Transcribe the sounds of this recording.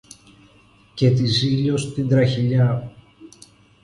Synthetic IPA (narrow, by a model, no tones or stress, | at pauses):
ce̞t̪iziʎost̪ind̪ɾɐçiʎɐ